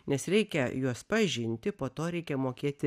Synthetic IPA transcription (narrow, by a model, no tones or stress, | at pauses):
nʲɛsɾʲɛɪkʲɛjuɔspɐʒʲɪnʲt̪ʲɪpoːt̪oːɾʲɛɪkʲɛmoːkʲiːt̪ʲɪ